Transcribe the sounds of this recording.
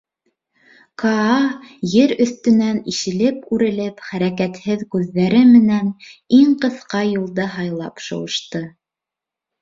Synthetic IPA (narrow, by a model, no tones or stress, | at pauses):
kʰɑɑjɘɾɵ̆θt̪ɵ̆næniʃɘ̆lɘpʉɾɘ̆lɘpχæɾækæt̪hɘðkʉðːæɾɘmɘ̆næniŋqɤ̆θqɑjulˠd̪ɑɦɑjlˠɑpʃŏ̰wɤ̆ʃt̪ɤ